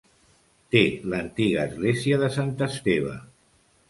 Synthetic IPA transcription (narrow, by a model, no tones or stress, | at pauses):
t̪elənt̪iɣəːzɣleziəðəsant̪əst̪eβ̞ə̰